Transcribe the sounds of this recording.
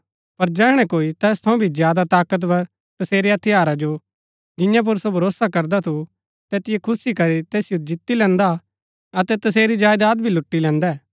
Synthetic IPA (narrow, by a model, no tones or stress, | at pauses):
pɐɾd͡ʒɛːɽ̃ɛ̃koːit̪ɛːst̪ʰɐ̃ũbʱizjaːd̪at̪aːkət̪̬pɐɾ | t̪ɐseːɾeɐt̪ʰɪjaːɾad͡ʒo | d͡ʒɪ̃jãp̬ʊɾsobʱɐɾoːsakɐɾd̪at̪ʰu | t̪eːt̪ɪjekʰʊsikɐɾit̪ɛːsɪjod͡ʒɪt̪ːilɛ̃ːnd̪a | ɐt̪ɛt̪ɐseːɾid͡ʒaːjd̪aːd̪̚bʱilʊʈːilɛ̃ːnd̪ɛː